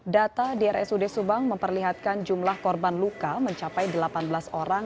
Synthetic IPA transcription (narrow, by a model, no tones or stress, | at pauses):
dat̪adɛɛrʔɛ̰sudɛsubaŋməmpərliɦat̪̚kand͡ʒumlahkɔrbanlukaməɲt͡ʃapajdəlapanbəlasoɾaŋ